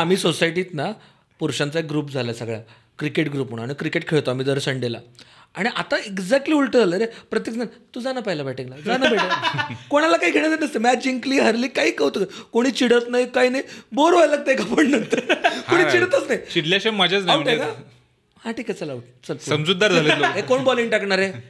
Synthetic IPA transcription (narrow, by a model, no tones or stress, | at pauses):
am̤iːsosajʈiːt̪na | puɾɕãnt͡saeɡɾuːpd͡zʱaljasəɡɭa̰ | kɾikeʈɡɾuːpmoɽ̃añikɾikeʈkʰeɭt̪oam̤iːd̪əɾsəɳɖela̰ | aɽ̃iʔat̪aeɡd͡zɛk̚ʈliːulʈəd͡zʱaləɾepɾət̪jekant̪ud͡zanapəjlabɛʈeklad͡zanabeʈekoɽ̃alakaɦiːɡʱeɽ̃at͡sənəst̪əmad͡ʑiŋkliːɦəɾliːkaiːkəʋt̪okkoɽ̃iːt͡ɕiɽət̪najkajnajboɾʋajlaɡ̚t̪eekapəɳnə̃nt̪əkoɽ̃it͡ɕiɽət̪ət͡snajt͡ɕiɽljaɕemːad͡ʑʱat͡snajɳʈkaa | haʈiːkat͡səlaʋuʈt͡səssəmd͡zud̪ːaɾd͡zʱaləɦekoɳbɔliŋʈakɳaɾe